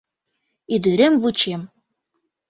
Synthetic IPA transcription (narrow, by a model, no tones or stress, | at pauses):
id̪yɾemvut͡ɕem